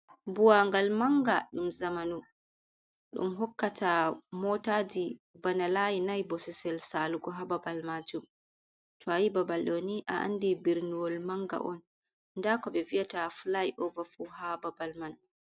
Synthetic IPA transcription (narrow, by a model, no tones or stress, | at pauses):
buwaŋɡalmaŋɡaɗumzamanu | ɗṵmɦɔkːatʰamɔtad͡ʒibanalajinajbɔsɛsɛlsaluɡɔɦababalmad͡ʒum | tʰɔajibabalɗɔniʔa̰ʔa̰ndibiɾnuwɔlmaŋɡa̰ʔɔn | ndakɔbɛviatafulajʔɔvafuhababalman